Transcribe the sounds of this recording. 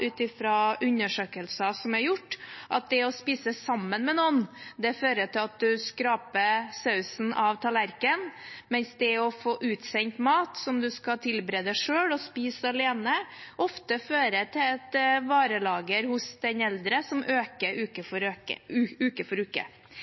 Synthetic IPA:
ʔʉːt̪ɪfɾɑʉnːəʂøːkəlsɑsɔmæɾjʊʈːʔɑ̰t̪̚d̪ɛɔspiːsəsɑmːənmɛnɔnd̪ɛføːɾəʈ̪ɪlɑt̪̚d̪ʉskɾɑːpəsɑʉsn̩ʔɑʋt̪ʰɑlæɾkənmɛnsd̪ɛɔfoːʔʉːt̪sɛɲt̪mɑːt̪sɔmd̪ʉskɑt̪ʰɪlbɾeːd̪əʂøːɽɔspiːsɑleːnəʔɔft̪əføːɾət̪ʰɪɛt̪ʋɑːɾəlɑːɡəɾhʊsd̪ɛnɛld̪ɾəsɔmʔøːkəɾʉːkəfɔɾøəʉʉːkəfɔɾʉːkə̰

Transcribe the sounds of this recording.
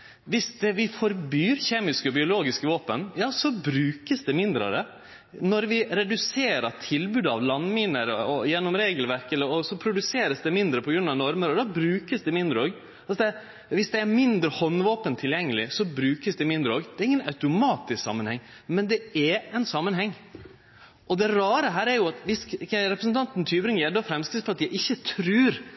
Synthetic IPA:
ʋɪsd̪ɛʋɪfɔɾbyːɾçeːmɪskəɔbɪʊloːɡɪskəʋoːpənjɑːsɔbɾʉːkəsd̪ɛmɪnd̪ɾə̰ɾə | nɔɾʋɪɾɛd̪ʉseːɾɑtʰɪlbʉːd̪ɑʋlɑnmɪnəɾɔjɛnːɔmɾeːɡəlʋæɾkɛlːəɾɔsɔpʰɾʊd̪ʉseːɾəsd̪ɛmɪnd̪ɾəpʰɔɡɾʉnːɑʋnɔɾməɾɔd̪ɑbɾʉːkəsd̪ɛmɪnd̪ɾəoːɡ | ɑlsd̪ɛ | ʋɪsd̪ɛæɾmɪnd̪ɾəhɔnːʋoːpənt̪ʰɪljɛŋːəlɪsɔbɾʉːkəsd̪ɛmɪnd̪ɾəoːɡd̪ɛæɾɪŋːənɑ̰ʉt̪ʊmɑːt̪ɪsksɑ̰mːənhɛŋːmɛnd̪ɛæɛɪnsɑmːənɦɛŋː | ʔɔd̪ɛɾɑːɾəɦæːɾæɾjʊɑt̪ʋɪsɾɛpɾəsnt̪ʰɑnt̪nt̪ʰyːbɾɪŋɛd̪ɔfɾɛmskəsfɔɾɑt̪jæɪʔɪçːət̪ʰɾʉːɾ

